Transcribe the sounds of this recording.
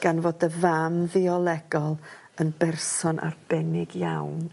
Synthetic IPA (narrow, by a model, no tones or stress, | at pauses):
ɡ̥anvoːdəvamviɔlˠɛɡɔlˠ | ənbɛrsɔnʔa̰rb̥ɛnɪɡjawn